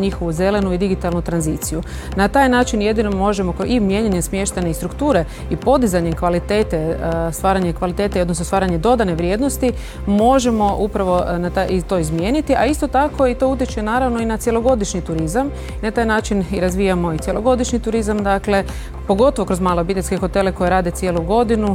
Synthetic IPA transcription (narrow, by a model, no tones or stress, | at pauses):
ɲixo̞ʋuze̞le̞nuid̪iɡit̪alˠnut̪ɾanzit̪siju | nat̪aːjnaːt͡ʃinje̞d̪ino̞mo̞ʒemo̞kimje̞ɲeɲemsmje̞ʃt̪aɲeist̪ɾukt̪uːɾe̞ | ipo̞d̪izaɲe̞mkʋalit̪e̞ːt̪est̪ʋaːɾaɲekʋalit̪e̞ːt̪eiod̪nosnst̪aːɾaɲe̞d̪o̞d̪aneʋɾje̞ːd̪nost̪i | mo̞ʒe̞mo̞ʔupɾaʋo̞nat̪ait̪o̞ːizmje̞ːnit̪iʔaist̪o̞t̪ako̞it̪o̞ut̪̬iet͡ʃenaːɾaʋno̞inat̪sje̞lˠo̞ɡo̞d̪iʃɲit̪uɾizam | inat̪aːjnaːt͡ʃiniɾazʋiːjamo̞it̪jelo̞ɡo̞d̪iʃɲit̪uɾizamd̪akle̞ | po̞ɡo̞t̪oʋo̞kɾo̞zmaːloobit̪elʲskexo̞t̪e̞leko̞jeɾaːd̪et̪sjeːluɡo̞d̪inu